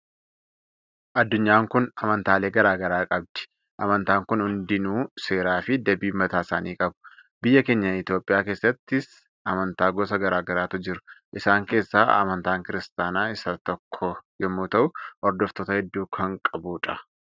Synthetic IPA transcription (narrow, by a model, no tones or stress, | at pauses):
ʔɐd̪ːʊɲːaːŋkʊnɐmɐnt̪aːle̞ːɡɐɾaːɡɐɾaːkʼɐb̚d̪̥ɪ̥ | ʔɐmɐnt̪aːŋkʊnhʊnd̪ɪnuːse̞ːɾaːfɪd̪ɐbiːmɐt̪aːsaːniːkʼɐbʊ̥bɪjːɐke̞ːɲːɐɪt̪joːpʼɪjaːkeːsːɐt̪ːɪs | ʔɐmɐnt̪aːɡɔsɐɡɐɾaːɡɐɾaːt̪ʊd͡ʒɪɾʊ̥ʔɪsaːŋke̞ːsːaːɐ̰mɐnt̪aːŋkɪɾɪst̪aːnaːɪsɐt̪ɔkʰːɔjɛmːuːt̪ɐʔʊʔɔɾd̪ɔft̪ɔːt̪ɐhɛd̪ːuːkʰɐŋkʼɐbuːᶑɐ